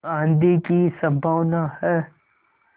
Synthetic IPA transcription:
ãːnd̪ikisə̃mbʱaʋnahɛː

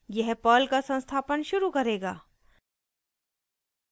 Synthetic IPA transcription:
jɛɦpəːlkasə̃nst̪ʰaːpənʃʊɾukɐɾeːɡaː

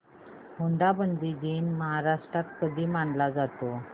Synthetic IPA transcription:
huɳd̪abənd̪id͡ʑiːnməɦaɾaʂʈɾat̪kəd̪ʱiːmaɳlad͡zat̪o

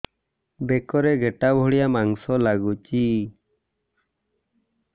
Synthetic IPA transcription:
bekɔɾɛɡeʈabʱɔɽijamaŋsɔlaɡut͡ʃi

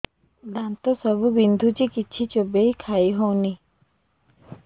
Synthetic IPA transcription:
d̪ãnt̪osəbubind̪ʱut͡ʃikit͡ʃʰit͡ʃobeikʰaːiɦõni

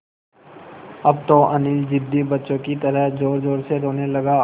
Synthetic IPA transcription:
ɐb̚t̪õʔɐniːld͡ʒɪd̪ːibɐtːʃõkit̪əɾəɦd͡ʒoːɾd͡ʒoːɾseɾoːnelɐɡa

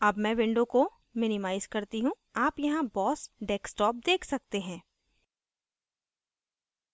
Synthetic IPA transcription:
ɐbmɛ̃ʋɪ̃ɳɖõko | mɪnɪmaːɪz̥kɐɾt̪iɦũ | aːpjɐɦãbɔːsɖɛːksʈɔːp̚d̪eːkʰsɐk̚t̪eɦɛ̃ː

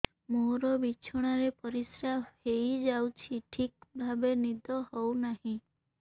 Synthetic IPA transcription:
moɾɔbit͡ʃʰɔɽ̃aɾepɔɾisɾabhejd͡ʒawt͡ʃʰiʈʰik̚bʱabenid̪ɔhownahĩ

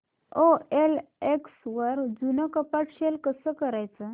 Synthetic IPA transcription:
oeleksʋəɾd͡zunakəpaʈɕelkəsəkəɾajt͡sə

